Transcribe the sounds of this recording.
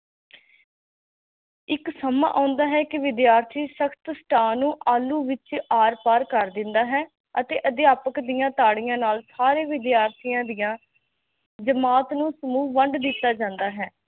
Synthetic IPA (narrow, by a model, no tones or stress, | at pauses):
ɪksəmã̰ːʔãːnd̪aːɦɛːkɪʋɪd̪jaːɾt̪ʰiːʃəkʰt̪sʈaːnũːʔaːluːʋɪt͡ʃaːɾpaːɾkəɾd̪ɪ̃nd̪aːɦɛː | ət̪eːʔəd̪ɪjaːpəkd̪ɪjãːt̪aːɽɪjãːnaːlsaːɾeːʋɪd̪ɪjaːɾt̪ʰijãːd̪ɪjãː | d͡ʒəmaːt̪nũːsəmuːʋəɳɖd̪ɪt̪ːaːd͡ʒãːnd̪aːɦɛː